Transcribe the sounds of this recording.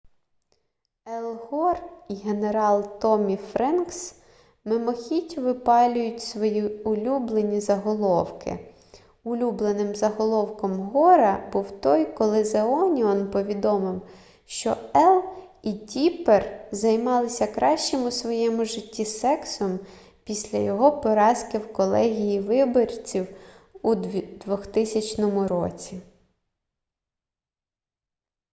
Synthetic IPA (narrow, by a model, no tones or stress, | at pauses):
elˠɦɔriɦeneɾɑlˠt̪ɔmʲifɾɛnks | mɪmɔxʲitʲʊʋɪpɑlʲʊjʊtʲsʋɔjiʊlʲublˠenʲizɐɦɔlˠɔwkɪ̰ | ʊlʲublˠenɪmzɐɦɔlˠɔwkɔmɦɔɾɐbuwt̪ɔjkɔlˠɪzeɔnʲiɔnpɔʋʲid̪ɔmɪw | ʃt͡ʃɔɛlˠitʲiperzɐjmɑlˠɪsʲɐkɾɑʃt͡ʃemʊsʋɔjɛmʊʒɪtʲːisɛksɔm | pʲisʲlʲɐjɔɦɔpɔɾɑskɪwkɔlˠɛɦʲijiʋɪbɔrʲt͡sʲiw | ud̪ʋɔxt̪ɪsʲɐt͡ʃnɔmʊɾɔ̰t͡sʲi